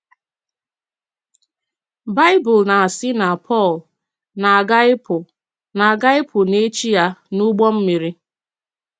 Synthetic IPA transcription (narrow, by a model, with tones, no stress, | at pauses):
ba˦ɪ˦bʊ˨lna˨a˨sɪ˦na˨pʰɔ˦˨l | na˨a˨ɡa˦ɪ˦pʊ˨ | na˨a˨ɡa˦ɪ˦pʰʊ˨ne˦t͡ʃi˦ja˦nu˦ɡ͡bɔ˦m̩˦mi˨ɾi˦